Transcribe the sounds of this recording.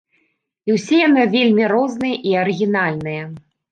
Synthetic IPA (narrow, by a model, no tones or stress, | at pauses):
iwsʲɛjanɨvʲelʲmʲiɾɔznɨjɐʔiɐɾɨɣʲinalʲnɨjɐ